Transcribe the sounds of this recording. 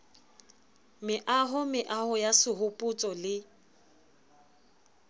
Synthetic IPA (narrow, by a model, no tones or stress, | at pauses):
mɪʔaɦʊmɪʔahʊjasɪɦʊpʼʊt͡sʼɔlɪ